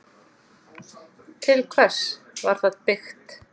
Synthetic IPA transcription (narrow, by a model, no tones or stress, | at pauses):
t̪ʰɪlkʰvɛs | vaɾ̥θaðpɪxt̪